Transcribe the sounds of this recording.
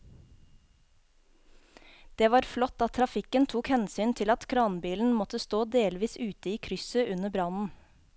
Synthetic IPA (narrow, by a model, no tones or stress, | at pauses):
d̪̥eːʋɑːɾflɔt̪ɑt̪ʰɾɑfɪkənt̪ʰuːkhɛnsyːnt̪ʰɪlɑt̪kʰɾɑːnbiːln̩mɔt̪əst̪oːd̪eːlʋiːsʉːt̪əiːkʰɾʏsəʔʉnəbɾɑnn̩